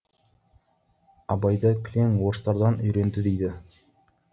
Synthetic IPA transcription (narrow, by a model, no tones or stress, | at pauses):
ɑbɑjd̪ɑkʲʰleŋwoɾst̪ɑɾd̪ɑnʏjɾe̞nd̪ɪd̪ejd̪ɪ